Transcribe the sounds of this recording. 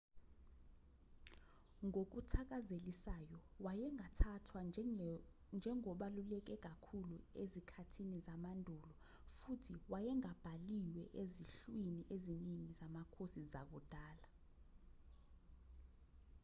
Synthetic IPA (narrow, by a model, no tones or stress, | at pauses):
ŋok̬utʰak̬ʼazelisajɔwajɛŋatʰatʰwa | nd͡ʒʱɛŋɔɓalulɛk̬ɛk̬akʰuluezikʰatʰinizamandʱuːlɔ | futʰiwajɛŋab̥ʱaliwɛʔeziɬwiniʔeziniŋizamakʰosizak̬ud̥ʱaːla